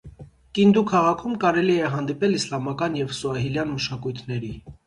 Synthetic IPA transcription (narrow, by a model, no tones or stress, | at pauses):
kind̪ukʰɑʁɑkʰumkɑɾɛliɛɦɑnd̪ipɛlislɑmɑkɑnjɛvsuɑɦiljɑnməʃɑkujt̪ʰnɛɾi